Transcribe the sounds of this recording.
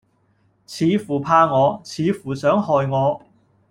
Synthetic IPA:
t͡sʰiː˨˧fuː˨˩pʰaː˧ŋɔː˨˧t͡sʰiː˨˧fuː˨˩sœː˨˥ŋhɔː˨jŋɔː˨˧

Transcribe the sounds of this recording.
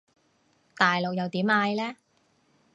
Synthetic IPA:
t̪aː˨jlo˨k̚jɐ˨wt̪iː˨˥maː˧jlɛː˥

